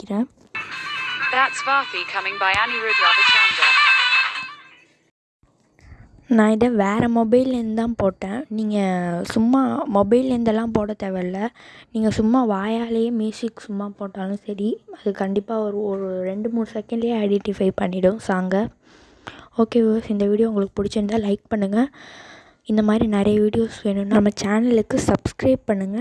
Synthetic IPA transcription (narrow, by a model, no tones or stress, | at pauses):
kːɪɾẽː | ðatsʋaːfikʰɐmɪ̃ŋbaɪaniɹudɾabɪt͡ʃand͡ʒɐ̰ | nãːɪðɐʋeːɾɐmɔbɐɪlɛnd̪ãːpoːʈːẽːniːŋɡɐsʊmːaːmɔbɐɪlɛnd̪ɛlːãːpoːɽɐt̪ɐʋɛɾlɐniːŋɡɐsʊmːaːʋaːjaːlɐjemjuːsɪkːsʊmːaːpoːʈːaːlɯ̃sɐɾiɐðɯkɐɳɖɪpːaːɔɾɯɔɾɯɾɛɳɖɯmuːɳɯsɛkːɛɳɖjeɐɪɽɛʈifɐɪpɐɳːɪɽɯ̃saːŋɡɐ | oːkeːʋʋɐsɪnd̪ɐʋiːɽɪjoːʊŋɡɐɭɯkːɯ̥pʊɽɪt͡ʃːɐnt̪ãːlɐɪk̚pɐɳːɯŋɡɐ | ɪnd̪ɐmaːd̪ɾinɐɾɐjɐʋiːɽɪjoːsʋeːɳɯ̃nːamːɐt͡ʃaːnɐlɯkːɯsɐbskɾɐɪb̚pɐɳːɯŋɡɐ